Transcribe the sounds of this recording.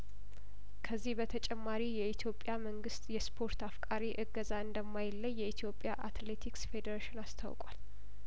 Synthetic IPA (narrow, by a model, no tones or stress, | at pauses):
kʰəzːihbət̪ʰət͡ʃʼɛmːaɾijɛit̪ʰjo̞pʼːjaməŋɡɨst̪ʼjɛspʰo̞ɾt̪afkʼaɾiʔɨɡːəzaɨnd̪əmːajɪlːəjːɛit̪ʰjo̞pʼjaʔat̪le̞t̪ʰiksfe̞d̪əɾaʃɪnast̪ʰa̰wkʼa̰l